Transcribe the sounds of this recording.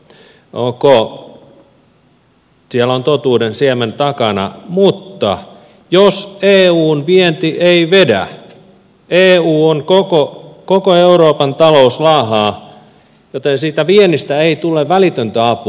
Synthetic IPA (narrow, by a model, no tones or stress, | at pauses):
oko | siɛlont̪ot̪uːdensiæment̪ɑkɑnɑ̰mut̪ːɑ̰ | joseːuːnʋient̪iʔeiʋedæ̰ | eːuːonkokokokoeuɾoːpɑnt̪ɑlouslɑːɦɑː | jot̪ensiːt̪æʋienist̪æeit̪uleʋʋælit̪ønt̪æɑpu